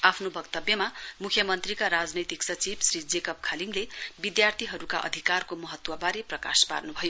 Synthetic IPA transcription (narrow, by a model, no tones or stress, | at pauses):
apʰnobʱʌkt̪ʌbjʌmamukʰjʌmʌnt̪rikaɾad͡znʌjt̪iksʌt͡sibsrid͡zekʌp̚kʰaliŋɡlebid̪jart̪ʰiɦʌɾukaʔʌ̰d̪ʱikarkomʌɦʌt̪wʌbaɾeprʌka̰spa̰rnubʱʌjo